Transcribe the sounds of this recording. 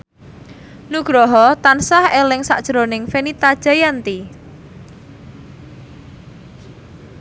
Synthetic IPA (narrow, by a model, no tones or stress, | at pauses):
nuɡ̥ɾɔɦɔt̪ansahelɪŋsaʔd̥ʒ̥ɾonɪŋfenit̪ad̥ʒ̥a̤jant̪i